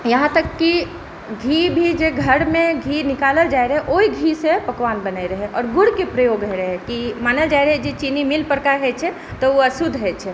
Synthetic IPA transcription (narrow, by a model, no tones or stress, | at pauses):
jəɦãt̪əkːi | ɡʱibʱid͡ʒeɡʱəɽmẽɡʱinɪkaləld͡ʒaeɾəɦɛʔoiɡʱisepəkʋanbənaiɾəɦɛʔɔːɾɡʊɽkepɾəjoɡɦəɾəɦɛkimaːnəld͡ʒaiɾəɦɛd͡ʒet͡ʃinimilpəɾkaɾɦɛt͡ʃʰɛ | t̪ɔuɐsud̪ʱɦɛt͡ʃʰɛ